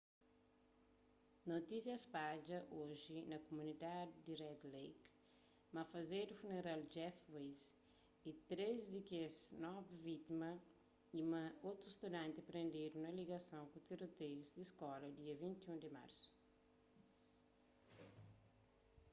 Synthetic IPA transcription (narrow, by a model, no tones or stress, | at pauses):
not̪isjɐspad͡ʒɐʔoʒinɐkomunid̪ad̪d̪irɛd̪lejk | mɐfɐzed̪ufuneɾald͡ʒɛfwez | it̪ɾezd̪ɪkeznɔvivit̪imɐ | imɐot̪ɾuist̪ud̪ɐ̃nt̪ɪɐpɾẽnd̪eɾũnɐliɡɐsɐ̃w̃kut̪iɾot̪ejuzd̪iskɔlɐd̪iɐvĩnt̪iũd̪ɪma̰ɾsu̥